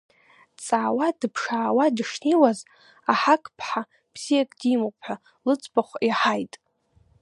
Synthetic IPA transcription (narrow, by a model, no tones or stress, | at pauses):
t͡sʼaːwadɨpʰʂaːwadʂniwaz | aħakʼpʰħa | b̥z̥ijakʼdimɨpʰħʷᶣa | lɨt͡sʼbaχʷiħajtʼ